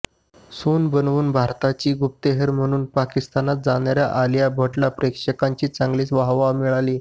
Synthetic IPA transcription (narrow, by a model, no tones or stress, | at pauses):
sonbənʋuːnbʱaɾt̪at͡ɕiːɡup̚t̪eɦəɾm̤əɽ̃uːnpakist̪anat̪̚d͡zaɽjaɾjaʔaljabʱəʈlapɾekʂəkaɲt͡ɕiːt͡saŋɡliːt͡sʋaɦʋamiɭaliː